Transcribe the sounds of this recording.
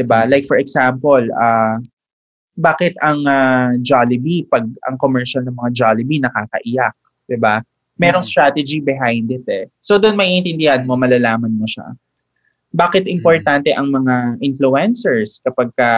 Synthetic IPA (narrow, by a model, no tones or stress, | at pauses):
d̪ɪbalajk̚fɔɹɛɡsampɐlɐ | baːkɪt̪ɐŋɐd͡ʒalɪbipɐɡ̚ɐ̰ŋkomɛɹʃɐlnɐŋmɐŋad͡ʒalɪbinɐkaːkɐ̰ʔɪjak̚ | d̪̥ɪba | mɛːɾoŋst̪ɾaːt̪ɛd͡ʒibɪɦajnd̪ɪt̪ɛsod̪ʊnmɐʔiʔɪnt̪ɪnd̪ɪhanmomɐlɐlaːmɐnmoʃa̰ | baːkɪt̪ɪmpoɹt̪ant̪ɛʔɐŋmɐŋaʔɪnfluɛnsɛɹskɐpɐɡ̚kɐ